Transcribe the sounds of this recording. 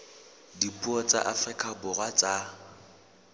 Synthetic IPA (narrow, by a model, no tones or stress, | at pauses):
dipʼuɔt͡sʼa̰ʔafrɪkʼabʊrwat͡sʼa